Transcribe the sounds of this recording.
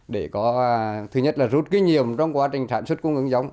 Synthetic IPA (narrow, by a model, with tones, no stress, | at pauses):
ɗe˧˩kɔ˨˦˧t̪ʰɨ˨˩ɲə˥t̚laː˨˩zu˦˥t̚ki˨˦ɲi˨˩əmt͡ɕɔ˧wŋ͡mkwaː˨˦t͡ɕï˨˩ŋ̟saː˧˩nswə˦˥t̚kə˧ŋ͡mŋʔɨ˨˧˦ŋza˨˦wŋ͡m